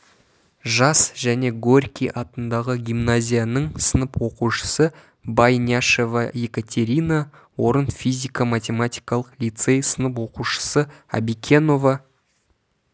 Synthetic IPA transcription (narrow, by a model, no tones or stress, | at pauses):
ʒɑsʒæne̞ɡorʲkʲiʔɑt̪ənd̪ɑʁəɡʲijmnazʲijanəɴsənəpwo̞quʃə̥sə | bajnʲiaʃe̞vɑje̞kat̪ʲʰe̞ɾʲina | wo̞ɾənfʲizʲijkamat̪ʲe̞mat̪ʲijkɑlˠəqlʲit̪se̞jsənəp̬wo̞quʃə̥səa̰bikʲʰe̞no̞vɑ